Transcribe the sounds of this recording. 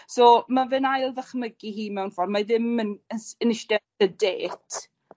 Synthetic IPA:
soːmavɨnajlˠðəχməɡihiːmɛwnfɔrmaðɪmənəənɪʃdɛ | ədeːtʰ

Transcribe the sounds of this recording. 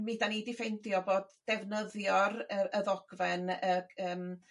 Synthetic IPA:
mɪdanidɪfejndjɔboːd̥ːɛvnəðjɔrəəðɔɡ̥vɛnəəːm

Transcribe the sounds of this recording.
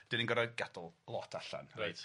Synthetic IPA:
d̥ɪninɡɔɾaɡadlˠlˠɔtʰaɬa̰nrajt

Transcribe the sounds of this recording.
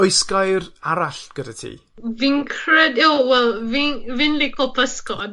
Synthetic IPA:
ojskajraɾaɬɡ̥ədatʰḭː | vɪŋkʰrɛdɪwwɛlˠvivɪnlɪkʰɔlˠpʰəskɔd̥̚

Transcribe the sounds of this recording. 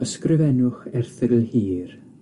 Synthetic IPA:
əskrɪvɛnʊχɛrθɪɡəlhiːr

